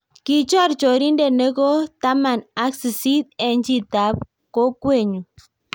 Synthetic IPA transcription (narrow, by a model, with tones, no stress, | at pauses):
ki˧t͡ʃo˦a˦ɾt͡ʃo˨ɾi˦nde˦˧ne˦ɡo˦t̪a˦ma˧˨na˦ksi˨si˦t̪̚e˧nd͡ʒi˧t̪a˨p | ko˦kwe˦˨ɲu˨